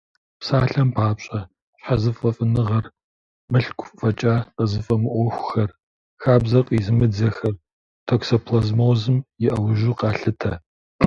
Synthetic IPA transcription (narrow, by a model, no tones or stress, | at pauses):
psaːɬɐmpʰaːpɕʼɐ | ɕħazɨfʼɐfʼɨnɨʁɐr | mɨɬkʷʊfɐt͡ʃʼaqəzɨfʼɐmɨʔʷɔxʷʊ̥xɐr | xaːbzɐqʼizɨmɨd͡zɐxɐr | tʰoksopʰlɐzmoːzɨmjɪʔɐwʒuːqɑːɬɨtʰɐ